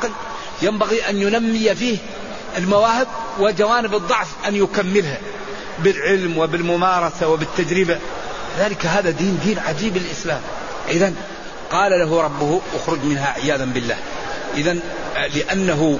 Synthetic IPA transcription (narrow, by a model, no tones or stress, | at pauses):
ql | jambaɣiʔanjʊnamːɪjafiːh | ʔɪlmawaːhɪb̚wɪd͡ʒawaːnɪbɨd̪ˤːɑʕfʔanjʊkamːɪlha | bɪlʕɪlmwɪbɪlmʊmɑːɾˤɑsawɪbɪt̪ːad͡ʒɾɪba | lɪðaːlɪkaɦaːðad̪iːnd̪iːnʕad͡ʒiːbɪlʔɪslaːm | ʔɪðan | qɑːlalaɦʊɾˤɑbːʊhʔaxɾʊd͡ʒmɪnɦaʕɪjaːðambɪlːa̰ːhʔɪðan | lɪʔanːaɦʊ